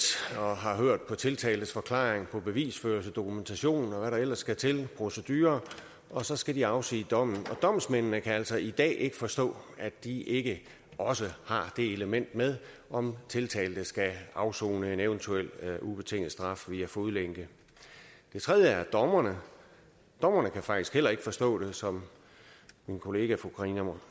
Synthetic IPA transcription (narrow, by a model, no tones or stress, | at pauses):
ɒɦɑ̈ɦøɐ̰d̥̚pʰɒ̽t͡sʰe̝lt͡sʰɛ̰ːldð̩sfɒ̽kʰlɑ̰̈ːeŋpʰɒ̽b̥e̝ʋḭːsføːɐlsəd̥o̝kʰument͡sʰæɕo̝̰ːnn̩ɒ̽ʋæɾɑ̈el̰ɐsːɡ̥æt͡sʰe̝lpʰʁo̝səd̥yːɐ | ɒ̽sɒ̽sɡ̥ædiɑ̈ʊsḭːd̥ɒ̽m̰n̩ɒ̽d̥ɒ̽m̰smennəkʰææl̰sɒ̽id̥ɛ̰ːʔe̝ɡ̥əfɒ̽sd̥ɔ̰̽ːæd̥iʔe̝ɡ̥ə | ɒ̽səhɑ̈d̥e̝e̝ləmen̰d̥með̞ˠ | ʔɒ̽mt͡sʰe̝lt͡sʰɛ̰ːld̥əsɡ̥æɑ̈ʊso̝̰ːnəe̝neʊənt͡sʰuel̰ub̥e̝t͡sʰe̝ŋ̰l̩ˠsd̥ʁɑ̈fʋiæfoðˠleŋ̰ɡ̥ə | d̥e̝t͡sʰʁɛð̞ˠjəæɐd̥ɒmɐnə | d̥ɒ̽m̰ɐnəkʰæfɑ̈ɡ̥d̥isɡ̥hel̰ɐe̝ɡ̥fɒ̽sd̥ɔ̰̽ːd̥e̝sɒ̽m | minkʰo̝le̝ːɡ̥æfʁoɡ̥ʰʁinəm